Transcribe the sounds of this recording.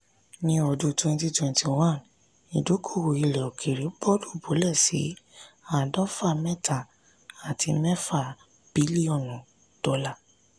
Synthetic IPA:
nĩ˧ɔ˧du˧twɛ̃˧nti˧twɛ̃˧nti˨wã˦˨n | i˨do˨˦kʰo˦˨wo˨i˨lɛ˨ɔ˨kʰe˨ɾi˨˦bɔ˦du˦˨bo˨˦lɛ˦˨sḭ˨˦a˦˨dɔ̃˦fa˦˨mɛ˦tʰa˨ | a˨tʰi˧˦mɛ˦fa˦˨ | b̥i˨˦li˦ɔ̃˦˨nũ˨ | d̥ɔ˨˦la˦˨

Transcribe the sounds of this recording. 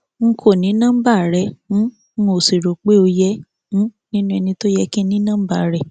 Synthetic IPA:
ŋ̩˦kʰo˦˨nĩ˨˦nã˦m̩˦ba˦˨ɾɛ˨˦ | o˨si˨ɾo˨k͡pe˦o˧jɛ̃˦ | nĩ˦nũ˦ɛ˧nĩ˧to˦jɛ˧kĩ˦nĩ˦nã˦ba˦˨ɾɛ˨

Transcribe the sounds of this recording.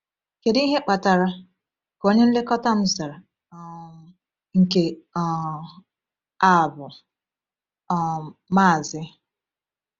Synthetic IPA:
ke˨dɦe˦k͡pa˨ta˨ɾa˦ | ko˦ɲe˦n̩˦le˦kɔ˦ta˦m̩˦sa˨ɾa˨ | ŋ̩˨ke˨ | a˦˨bʊ˨ | ma˦˨zɪ˦

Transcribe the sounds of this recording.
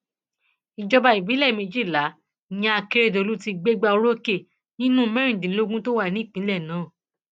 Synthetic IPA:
i˨d͡ʒɔ˧ba˧i˨bi˨˦lɛ˦˨mĩ˧d͡ʒi˦˨la˨˦ | j̃ã˧a˧ke˦˧ɾe˦˨do˨˧lu˦ti˧ɡ͡be˦ɡ͡ba˧o˧ɾo˦ke˦˨ | nĩ˦nũ˦mɛ̃˦ɾĩ˦˨dĩ˨˦lo˦ɡũ˦to˦wa˦˨nĩ˦˨k͡pĩ˨˦lɛ˦˨nãː˨˦˨

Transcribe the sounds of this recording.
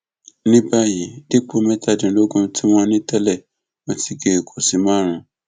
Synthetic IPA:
nĩ˦ba˦ji˨de˦k͡po˦mɛ˦ta˧˨dĩ˨lo˦ɡũ˧ti˦w̃ɔ̃˧nĩ˦tɛ˦lɛ˦˨ | wɔ̃˨ti˦ɡe˨kʰo˨si˨˦mãː˦ɾ̃ũ˨

